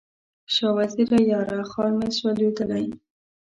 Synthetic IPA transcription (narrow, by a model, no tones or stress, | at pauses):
ʃɑwaziɾajɑɾɑxɑɾmeswaled̪əlaj